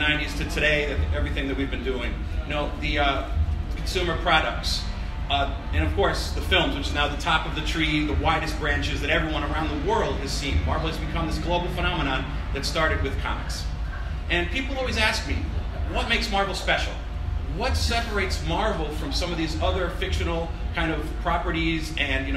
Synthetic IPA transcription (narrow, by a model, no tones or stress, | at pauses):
ãɪ̃njɪɹz̥tʰɨtʰɨɾeɪɨɛvɹiθɪ̃ŋðɨt̚wivbɨ̃ndʉɪ̃ŋ | noʊði | kʰn̩sʉ̃mə˞pʰɹ̥ɑɾɨk̚ts | ɨ̃ñʌv̥kʰɔɹsðɨfɪlˠmzwɨt͡ʃɨnaʊðɨtʰɑpʌvðɨtʰɹ̥iðəwaɪɾɨs̚b̥ɹæ̃nt͡ʃɨzðɨɾɛvɹiwʌ̃ɾ̃ə˞ãʊ̃nðəwɜ˞lˠd̚ɨz̥sĩnmɑɹvl̩ˠɨzbɨkʰʌ̃mðɪsɡ̥loʊbl̩ˠfəñɑməɾ̃ɑ̃n | ðɨtstɑɹɾɨd̚wɨð̥kʰɑ̰mɨ̰ks | ʔɨ̃npʰipl̩ˠɔlˠwizæsk̚mi | wʌt̚meɪksmɑɹvl̩ˠspɛʃl̩ˠ | wʌtsɛpə˞eɪtsmɑɹvl̩ˠfɹʌ̃msʌ̃mʌvðizʌðə˞fɪkʃɨnl̩ˠ | kʰãɪ̃ndʌv̥pʰɹ̥ɑpə˞ɾizɨ̃njɨn